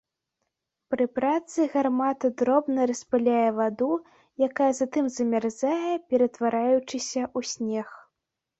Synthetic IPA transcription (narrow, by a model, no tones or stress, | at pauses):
pɾɨpɾat̪sɨɣarmat̪ɐd̪ɾɔbnɐɾɐspalʲajɛvad̪u | jakajɐzat̪ɨmzɐmʲarzajɛpʲɛɾɐt̪vaɾajut͡ʂɨsʲɐʔusʲnʲɛx